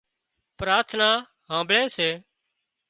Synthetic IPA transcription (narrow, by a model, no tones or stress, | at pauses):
pɾaːɾt̪ʰnaː | ɦãːmbɭẽːseː